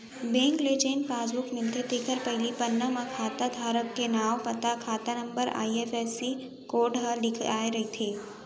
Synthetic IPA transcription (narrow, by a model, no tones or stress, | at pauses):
bẽːŋklet͡ʃeːnpaːzukmɪlt̪ʰet̪eːkʰəɾpɐɦlipɐnːəmãkʰaːt̪ad̪ʱaːɾəkːenaːwpɐt̪akʰaːt̪anɐ̃mbəɾa̰ːiefeːsi | koːɾɖɦəlɪkʰaːeɾɐɦit̪ʰeː